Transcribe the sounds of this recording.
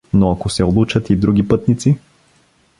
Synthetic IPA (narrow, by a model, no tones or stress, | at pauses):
noakosɛolˠut͡ʃət̪id̪ɾuɡ̟ʲipɤt̪nit̪si